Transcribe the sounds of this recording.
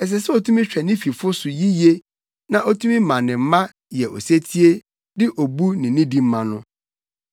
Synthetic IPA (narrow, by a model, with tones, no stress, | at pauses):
ɛ˨s̬ɛ˨sɛ˦o˨tʰũ˦mĩ˦ɕᶣɛ˨nɪ̃˦fi˨fʊ˦sʊ˨ji˦je˦ | nã˦ʔo˦tʰũ˦mĩ˦mã˨nɪ̃˨m̩˦mã˦ | jɛ˨ʔo̰˨se˦tʰi˦e˦ | dɪ˦ʔo˨bu˦nɪ̃˨nĩ˦di˨m̩˦mã˨nʊ̃˦